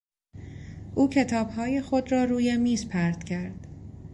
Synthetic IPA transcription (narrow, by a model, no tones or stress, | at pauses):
ʔuːcʰe̞t̪ʰɒːb̥hɒːje̞xo̞d̪ɾɒːɾuːjemiːzpʰæɾd̪̥cʰæɾd̪̥